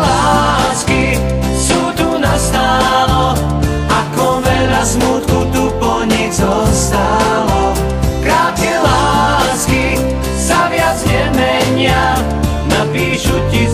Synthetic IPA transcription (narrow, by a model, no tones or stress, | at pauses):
laːski | suːt̪unast̪aːlɔ | akɔʋɛlasmut̪̚kut̪upɔɲɛɡzɔst̪alɔ | kɾaːt̪̚kɛlaːski | saʋɪad͡zɲɛmɛɲɪa | napiːʃuci